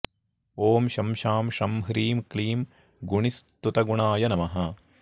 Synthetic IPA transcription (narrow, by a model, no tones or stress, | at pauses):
oːmʃɐmʃaːmʃɐmɦɾiːmkliːm | ɡuɳist̪ut̪ɐɡuɳaːjɐnɐmɐɦɐ